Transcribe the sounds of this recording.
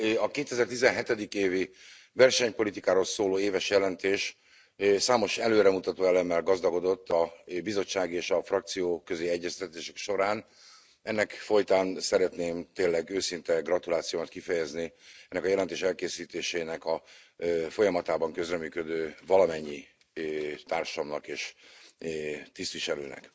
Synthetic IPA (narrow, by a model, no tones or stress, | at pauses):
ɒkeːt̪ɛzɛrt̪izɛnɦɛt̪ɛd̪ikeːvi | vɛrʃɛɲpo̞lit̪ikaːɾolsoːloːeːvɛʃjɛlɛnt̪eːʃ | saːmo̞ʃɛløːɾɛmut̪ɒt̪oːɛlɛmːɛlɡɒzd̪ɒɡo̞d̪o̞t̪ʰːɒbizo̞t͡ʃːaːɡeːʃɒfrɒk̚t̪sijoːkøzeːɛɟːɛst̪ɛt̪eːʃɛkʃo̞ɾaːn | ɛnːɛkfo̞jt̪aːnsɛɾɛt̪neːmt̪eːlːɛɡøːsint̪ɛɡrɒt̪ulaːt̪sijoːmɒt̪kifɛjɛzniɛnːɛkɒjɛlɛnt̪eːʃɛlkeːsiːt̪eːʃeːnɛkɒ | fo̞jɒmɒt̪aːbɒŋkø̞zrɛmyːkød̪øːvɒlɒmɛɲːi | t̪aːrʃɒmnɒkeːʃ | t̪ist̪ʋiʃɛɾy̰ːnɛ̰k